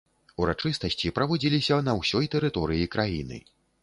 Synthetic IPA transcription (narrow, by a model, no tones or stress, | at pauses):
uɾat͡ʂɨst̪ɐsʲt͡sʲipɾɐvɔd͡zʲilʲisʲɐnɐwsʲɔjt̪ɛɾɨt̪ɔɾɨjikɾajinɨ̰